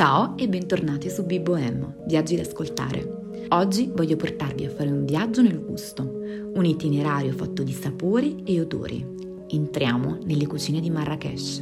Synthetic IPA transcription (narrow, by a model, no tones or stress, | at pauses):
t͡ʃaːoɛbːɛnt̪ornaːt̪esubibːoɛmː | vjad͡ʒːid̪askolt̪a̰ːɾḛ | ɔd͡ʒːivɔʎːoport̪arviafːaːɾeuɱvjad͡ʒːonelɡust̪o | unit̪ineɾaːɾjofat̪ːod̪isapoːɾieod̪o̰ːɾʔḭ | ent̪ɾjaːmonelːekut͡ʃiːned̪imarːakɛ̰ʃ